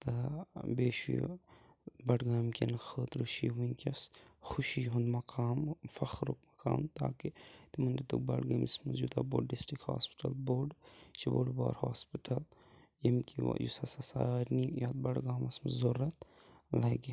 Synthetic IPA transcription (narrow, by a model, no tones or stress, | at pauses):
t̪ɐbeːʃṵ | bɐɽɡaːmkʲɐ̰nxʰəːt̪ɾuʃiːʋuikʲɐsxuʃiːɦund̪mɐkʰaːmfɐxɾuk̚mɐka̰ːmt̪a̰ːkit̪imɐnd̪it̪uk̚bɐ̰ɽɡɐmismɐzd͡ʒuːd̪a̰boːɖɖisʈɾikha̰ːspi̥ʈɐlboːɖt͡ʃʰibo̰ːɖba̰ːɾhaːspiʈʰɐl | jɐmkʲḭjṵsɐsɐsaːɾnijaːt̪̚bɐɽɡaːmɐsmɐzoɾɐt̪ | lɐɡi